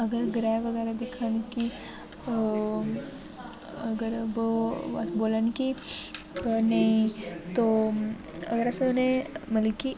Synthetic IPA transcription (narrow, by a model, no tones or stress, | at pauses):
əɡəɾɡɾajʋəɡəɾad̪ekʰənki | əɡəɾəb | bolənki | nait̪o | ə̰ɡəɾasənemələki